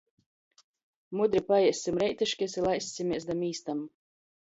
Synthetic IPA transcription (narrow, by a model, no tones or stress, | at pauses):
mud̪ɾipajɛɛsːʲimɾɛjt̪iʃkʲisilˠajsʲsʲimʲiɛsd̪amiːst̪am